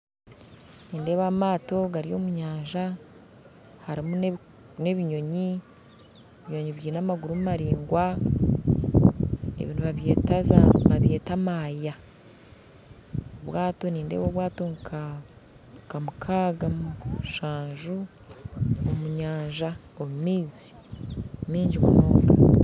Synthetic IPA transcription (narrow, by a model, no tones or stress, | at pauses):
niːnde̞ːβamaːto̞ɡaɾijo̞̰ːmuɲaːɲʒa | haɾimun | ne̞βiɲo̞ɲi | eβiɲo̞ɲiβjiːnamaɡuɾumumaɾiːŋɡwa | ḛβḭːnuβaβjeːtazaβaβje̞ːtamaːja | oβwaːto̞niːndḛwoβwaːto̞ŋkʰa | kamukʰaːɡamʃaːɲʒu | omuɲaːɲʒa | omumiːzi̥ | miːɲɟimṵno̰ːŋɡa